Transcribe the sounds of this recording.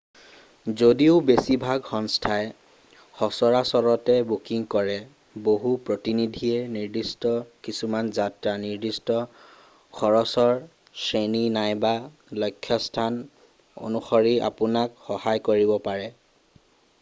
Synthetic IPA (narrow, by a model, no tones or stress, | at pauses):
zodiʊbesibʱaɡxɔnstʰaɛ | xɔsɔɹasɔɹɔtɛbukiŋkɔɹɛ | boɦupɹotinidʱiɛniɹdistɔkisumanzatɹaniɹdistɔ | kʰɔɹɔsɔɹ | seninajba | lojkʰːjɔstʰan | o̰nuxɔɹiʔa̰pʊnakxɔhajkoɹibɔpaɹɛ